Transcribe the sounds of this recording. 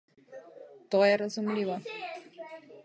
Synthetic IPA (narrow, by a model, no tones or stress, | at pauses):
t̪ɔjɛɾazumlʲivɔ